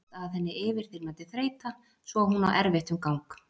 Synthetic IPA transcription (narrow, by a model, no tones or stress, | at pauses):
t̪aðθɛnːɪɪːvɪɾ̥θɪjɾmaːt̪ɪθɾeːjt̪a | svɔɦuna̰wʔɛɾvɪht̪ʏmkawŋk